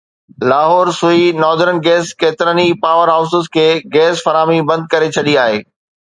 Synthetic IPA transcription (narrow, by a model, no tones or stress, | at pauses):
laːɦɔːɾsʊinɔːd̪əɾənɡɛːskeːt̪ɪɾənipaːʋəɾɦaːʊsɪskʰeːɡɛːsfɐɾaːmibɐ̃nd̪̚kɐɾet͡ɕʰɐɗiaːɦḛː